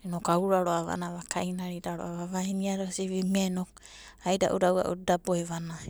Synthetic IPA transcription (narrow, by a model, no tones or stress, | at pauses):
enokauɾaɾoaβa̰naβakʰajnaɾidaɾoaβaβainiaɾosiβimano | ajda̰ʔṵɾawa̰ʔṵdaboeβana